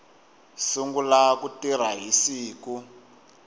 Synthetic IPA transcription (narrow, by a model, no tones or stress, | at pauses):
suŋɡulakutiɾ̤aɦisiːku